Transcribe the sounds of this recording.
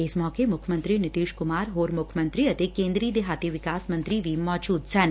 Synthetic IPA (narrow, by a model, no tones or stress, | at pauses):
ɪsmɔːkemʊkʰjmə̃nt̪ɾinɪt̪iːʃkʊmaːɾɦoːɾmʊkʰjmə̃nt̪ɾiɐt̪ekẽːnd̪ɾiːd̪eɦaːt̪iʋɪkaːsmə̃nt̪ɾiʋimɔːd͡ʒuːd̪sɐn